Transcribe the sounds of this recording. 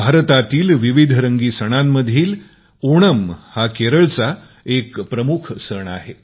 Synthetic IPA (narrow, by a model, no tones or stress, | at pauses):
bʱaɾt̪at̪iːlʋiʋid̪ʱɾəŋɡiːsəɽ̃amːəd̪ʱiːl | oɽ̃əmhakeɾəɭt͡sa | ekpɾəmukʰsəɳa̰ɦe